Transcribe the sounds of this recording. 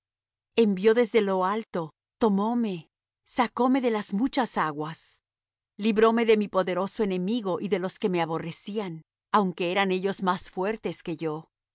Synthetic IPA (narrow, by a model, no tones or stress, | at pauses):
e̞mbjo̞ðe̞zðe̞lo̞alt̪o̞ | t̪o̞mo̞me̞ | sako̞me̞ðe̞lazmut͡ʃasaɣwas | liβɾo̞me̞ðe̞mipo̞ðe̞ɾo̞soe̞ne̞miɣo̞ʔiðe̞lo̞ske̞me̞aβo̞re̞sian | awŋke̞eɾane̞ʝo̞zmasfwe̞ɾt̪e̞ske̞ʝo̞